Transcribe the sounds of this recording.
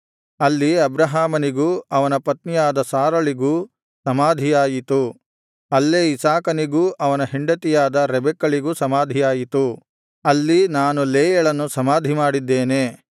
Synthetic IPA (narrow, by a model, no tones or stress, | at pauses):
ɐlːiɐbɾɐɦaːmɐniɡuːɐʋɐnɐpɐt̪nijaːd̪ɐsaːɾɐɭiɡuː | sɐmaːd̪ʱijaːjit̪u | ɐlːeːisaːkɐniɡuːʔɐʋɐnɐɦiɳɖɐt̪ijaːd̪ɐɾɛbɛkːɐɭiɡusɐmaːd̪ʱijaːjit̪u | ɐlːinaːnuleːjɐɭɐnːusɐmaːd̪ʱimaːɽid̪ːeːneː